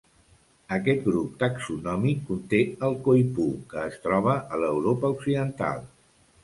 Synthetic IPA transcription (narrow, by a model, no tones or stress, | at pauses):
əkɛt̪ɡɾup̚t̪aksunɔmikːunt̪eəlˠkojpukəːst̪ɾɔβ̞əʔələwɾopəuksiðənt̪a̰lˠ